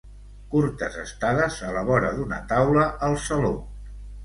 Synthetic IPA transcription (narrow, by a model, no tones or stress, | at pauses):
kuɾt̪əzəst̪aðəzələβɔɾəðunə̰t̪awləʔəlˠsəlo